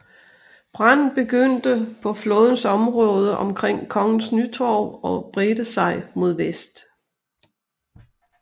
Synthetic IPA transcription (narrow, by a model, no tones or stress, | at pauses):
b̥ʁɑn̰b̥e̝ɡ̥øn̰d̥əpʰɒ̽flɔ̽ːð̞ˠn̩sɒ̽mʁɔ̽ːð̞ˠəʔɒ̽mkʰʁeŋ̰kʰɒ̽ŋn̩snyt͡sʰɒʊɒ̽b̥ʁed̥əsɑ̈ɪmo̝ð̞̰ˠʋesd̥